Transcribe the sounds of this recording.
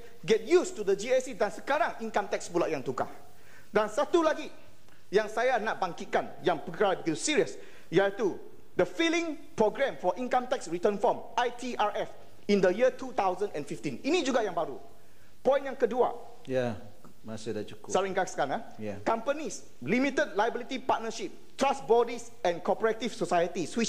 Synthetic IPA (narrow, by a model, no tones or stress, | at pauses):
ɡɛt̚justudəd͡ʒiasidansəkaɾaŋĩŋkamt̪ɛk̚sbulaʔjãŋt̪uka̰h | dansat̪ulaɡi | jãŋsajanaʔ̚baŋkit̪̚kanjãŋpəkabəɡit̪usiɹiəs | jait̪u | dəfilĩŋ | pɹɔɡɹɛ̃mfɔʔĩŋkãmt̪ɛksɹit̪ənfɔmʔajt̪ʰiʔaɹʔɛf | ĩnd̪əjiət̪ut̪awzə̃ndɛ̃nfift̪ĩninid͡ʒuɡajãŋbaɾu | pɔ̃j̃njãŋkədua̰ | ja | masɪdat͡ʃuksaɾĩŋkasə̥kaãŋa | jakãmpənis | limit̪əd̚lajəbilit̪ipat̚nəʃip̚t̪ɹasbɔdis | ɛ̃nkɔpəɹɛt̪ifsosajət̪iswit͡ʃ